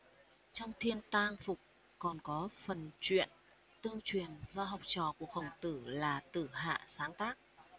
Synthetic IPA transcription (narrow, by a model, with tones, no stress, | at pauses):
t͡ɕɔ˧wŋ͡mt̪ʰi˧ənt̪aː˧ŋfʊ˨˩k͡p̚ | kɔ˨˩nkɔ˨˦fə˨˩nt͡ɕwḭ˧˨ən | t̪ɨ˧əŋt͡ɕwi˨˩ənzɔ˧ɦa˨˩wk͡p̚t͡ɕɔ̰˧˨ku˨˩ək̚hə˨˩wŋ͡mt̪ɨ˧˩laː˨˩t̪ɨ˧˩ɦa̰ː˧˨saː˨˦ŋt̪aː˦˥k̚